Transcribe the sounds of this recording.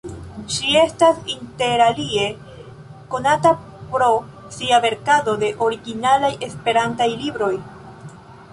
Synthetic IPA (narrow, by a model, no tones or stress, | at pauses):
ʃie̞stasinte̞ɾalie̞ | ko̞nata | pɾo̞ | siave̞ɾkado̞de̞ʔo̞ɾiɡinalajʔe̞spe̞ɾantajlibɾo̞j